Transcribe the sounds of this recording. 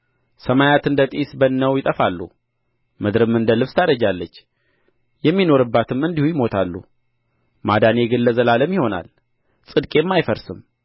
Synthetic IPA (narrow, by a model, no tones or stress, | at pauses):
səmajat̪ɨnd̪ət̪ʼisbənːəwjɪt̪ʼəfalːṵ | mɨd̪ɾɨmɨnd̪əlɨβst̪ʰad̪əd͡ʒalːət͡ʃː | jɛmːino̞ɾɨbːat̪ʰɨmɨnd̪ihujɪmo̞t̪ʰalːṵ | mad̪ane̞ɡɨlːəzəlaləmjɪho̞na̰l | sʼɨd̪kʼe̞mːajfəɾsɨm